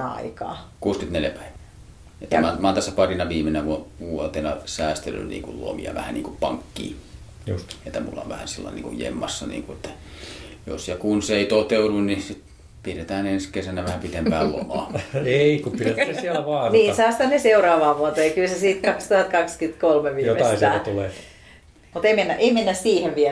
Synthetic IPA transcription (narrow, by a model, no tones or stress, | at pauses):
ɑ̰ikɑ̰ːkuːskyt̪neljæpæˑiʋæː | et̪ːæmɑmɑːˑnt̪æsːæpɑrinɑʋiːmenæʋuʋuot̪enɑsæˑːst̪ely̰nḭːŋkullo̰mḭɑ̰ʋæ̰hænniːŋkuppɑ̰ŋkːḭː | ṵst̪et̪ːæmṵlːɑ̰ʋæ̰hæ̰nsilːɑ̰enḭŋkṵjjḛmːɑsːɑnḭːŋkuet̪ːæ | jo̰sjɑkunseˑit̪ot̪eudunnisit̪ | piret̪æːnenskesænæʋæhæpit̪empæːllo̰mɑ̰ːeikupiretæsiælæʋɑːniːsɑːˑst̪æneseurɑːʋɑːʋuot̪eːkylsesiːt̪kɑkst̪uhɑt̪̚kɑkskyt̪kolmeʋiːjotːeɑsisææt̪uleː | mut̪eimenːæʔeimenːæssiːheʋʋiɛ